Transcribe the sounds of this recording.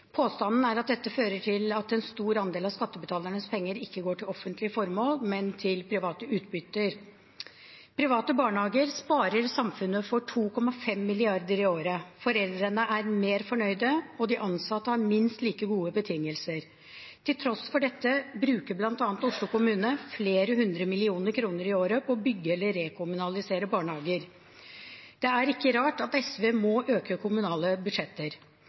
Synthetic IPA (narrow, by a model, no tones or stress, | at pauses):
pʰoːst̪ɑnn̩æɾɑt̪̚d̪ɛt̪ːəføːɾəʈʰɪlɑt̪ɛnst̪uːɾɑnd̪eːlɑʋskɑt̪ːəbət̪ʰɑːləɳəspʰɛŋːəɾɪkːəɡoːʈʰɪlɔfːənt̪lɪəfɔɾmoːlmɛnt̪ʰɪlpʰɾɪʋɑːt̪əʉːt̪̚bʏt̪ːəɾ | pʰɾɪʋɑːt̪əbɑːɳhɑːɡəɾspɑːɾəɾsɑmfʉnːəfɔʈʰuːkʰɔmːɑfɛmːɪlɪɑɾd̪əɾɪoːɾəfɔɾɛld̪ɾənəʔæɾmeːɾfɔɳœʏd̪əɔd̪ɪʔɑnsɑt̪ːəhɑɾmɪnst̪liːkəɡuːəbət̪ʰɪŋːəlsəɾ | t̪ʰɪlt̪ʰɾɔsfɔɖɛt̪ːəbɾʉːkəblɑnt̪ɑːnt̪ʊʂɭʊkʊmʉːnəfleːɾəɦʉnd̪ɾəmɪlɪuːnəɾkʰɾuːnəɾɪoːɾəpʰɔːbʏɡːəɛlːəɾekʰʊmʉnɑlɪseːɾəbɑːɳhɑːɡəɾ | d̪̥ɛæɾɪkːəɾɑːʈɑt̪ɛsʋeːmɔʔøːkəkʰʊmʉnɑːləbʉd̪ʂɛt̪ːəɾ